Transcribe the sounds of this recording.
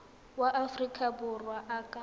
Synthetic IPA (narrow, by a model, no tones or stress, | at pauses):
waʔafrikʼabʊrwaʔaːkʼa